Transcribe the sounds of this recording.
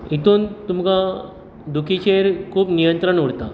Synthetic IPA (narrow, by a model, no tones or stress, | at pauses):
it̪uːnt̪umka | d̪ukʰit͡ɕeɾkʰuːpnijənt̪ɾəɳuɽt̪a